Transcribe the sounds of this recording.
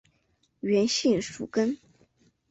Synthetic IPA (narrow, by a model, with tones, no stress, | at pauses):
ɥɛ˧˥nɕi˥˩nʂu˨˩kə˥n